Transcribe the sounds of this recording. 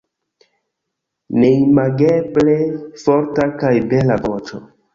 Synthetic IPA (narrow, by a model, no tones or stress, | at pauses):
nejmaɡeblefoɾtakajbelavot͡ʃo̰